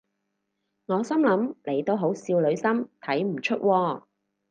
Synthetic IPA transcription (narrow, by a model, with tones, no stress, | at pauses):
ŋɔː˨˧sɐ˥mlɐ˨˥mle˨˩jt̪o˥wɦo˨˥wsiː˧wlɵ˨˧ɥsɐ˥mt̪ʰɐ˨˥jm̩˨˩t͡ʃʰɵ˥t̚wɔː˧